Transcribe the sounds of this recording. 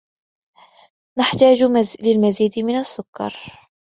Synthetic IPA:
naħt̪aːd͡ʒlɪlmaziːd̪mɪnasːʊkːɑ̰ɾˤ

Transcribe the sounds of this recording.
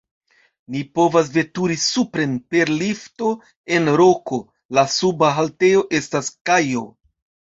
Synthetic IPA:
nipo̞vas̬ve̞tuɾisupɾe̞npe̞ɾlifto̞ | e̞nɾo̞ko̞ | lasubaɦalte̞jo̞ʔe̞staskajo̞

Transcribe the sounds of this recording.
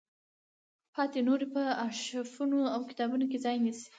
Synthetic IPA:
pʰɑt̪enoɾepəaʃafunoawkɪ̥t̪ɑbunokezɑjnisi̥

